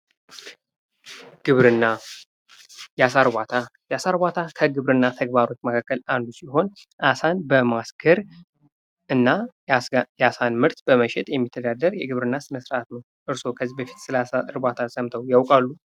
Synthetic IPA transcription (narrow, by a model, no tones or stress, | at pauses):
ɡ̥ɨβɾɨnːa | jasaɾbat̪ʰa | jasaɾbat̪ʰakʰəɡɨβɾɨnːat̪ʰəɡbaɾo̞t͡ʃːməkʰakːəland̪usiɦo̞n | ʔasanbəmasɡʰəɾ | ɨnːa | jasanmɨɾt̪bəməʃɛt̪ʼjɛmːit̪ʰːəd̪ad̪əɾjɛɡɨβɾɨnːasɨnəsɾəʔat̪nəw | ʔɨɾso̞kʰəzːibəfi̥t̪sɨlasaɨɾbat̪ʰasəmt̪ʰəwjawkʼalːu